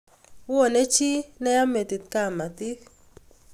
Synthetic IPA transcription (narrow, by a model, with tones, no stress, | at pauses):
wɔ˦˨ne˦t͡ʃi˦nɛ˦ja˦me˨t̪i˨t̪̚ka˦˨ma˨t̪i˦k